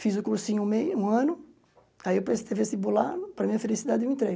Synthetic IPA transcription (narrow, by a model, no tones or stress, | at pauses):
fizʊkuɾsĩɲʊũmejũɐ̃nʊ | aiewpest̪evesɪbola̰ɾpɾɐmĩɲɐfelisid̪ad̪ɪew̃ẽt̪ɾej